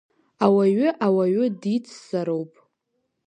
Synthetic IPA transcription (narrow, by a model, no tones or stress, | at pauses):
awaɥʏʔawaɥɪdit͡sʰzaɾowpʼ